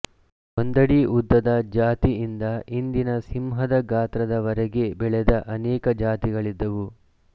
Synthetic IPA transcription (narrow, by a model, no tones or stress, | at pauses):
ond̪ɐɽiʔud̪ːɐd̪ɐd͡ʒaːt̪iind̪ɐind̪inɐsimɦɐd̪ɐɡaːt̪ɾɐd̪ɐʋɐɾɛɡe̞bɛɭɛd̪ɐʔɐnɛːkɐd͡ʒaːt̪iɡɐɭid̪ːɐʋu